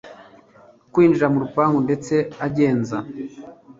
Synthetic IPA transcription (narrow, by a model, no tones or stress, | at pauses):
kwiːnd͡ʒiɾamuɾupaːŋɡunde̞t͡se̞aɟe̞ːnza